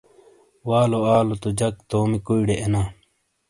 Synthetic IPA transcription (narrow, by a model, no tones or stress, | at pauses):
waːloaːlot̪od͡ʑɐkt̪oːmikuiɽeʔenaː